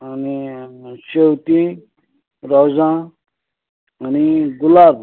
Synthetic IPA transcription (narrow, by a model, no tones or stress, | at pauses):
ənisewt̪i | ɾɔzã | əniɡulab̚